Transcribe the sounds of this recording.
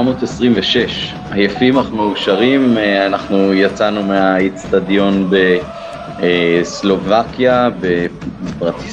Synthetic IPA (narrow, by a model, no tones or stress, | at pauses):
mo̞ːtesʁimveʃeʃ | ajafimaχmeuʃaʁimanaχnujat͡sanumeait͡stadjo̞nbe̞ | eslo̞vakjabepʁat̪i